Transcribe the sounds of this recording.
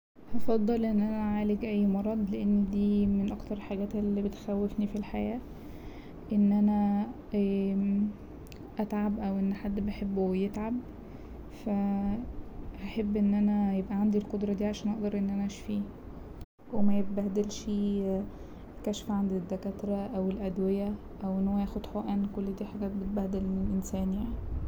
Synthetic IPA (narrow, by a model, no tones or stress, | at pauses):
hɑfɑd̪ˤːɑlʔenːʔænæʕaːleɡʔæjːmɑɾˤɑd̪ˤleʔenːd̪iːmenʔɑkt̪ɑɾˤħaɡæːt̪ʔelːibet̪xæwːefnifilħajæː | ʔenːʔænæ | ʔæt̪ʕabʔæwʔenːħad̪ːbeħebːujet̪ʕab | fæ | heħebːʔenːʔænæjebʔæʕand̪ilqod̪ɾˤɑd̪iːʕaʃæːnʔɑʔd̪ɑɾˤʔenːʔænæʔæʃfiː | wemæjebbæhd̪elʃi | kæʃfʕand̪id̪ːækæt̪ɾˤɑʔæwelʔæd̪wejæ | ʔæwʔenːhowːæjæːxod̪ħoʔæːnkolːd̪iːħaɡæːt̪̚bet̪̚bæhd̪elelʔensæːnjaʕni